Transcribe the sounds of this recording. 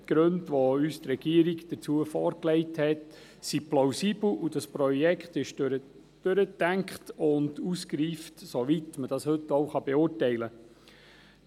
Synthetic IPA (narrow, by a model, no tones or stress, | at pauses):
tɡ̥ɾøndʋoyːst̪rɛɡ̥iəɾiɡd̥əɾt͡suəfɔːɾklɛɪthɛt | siplɔʊsiːbl̩ˠud̥ɑspɾɔjɛkχtɪʃɾə | d̥øɾətæŋkχtʊnduskɾiːftsoʋitməd̥ɑshɵtoʊχɑb̥ɛʊːɹtɛɪlə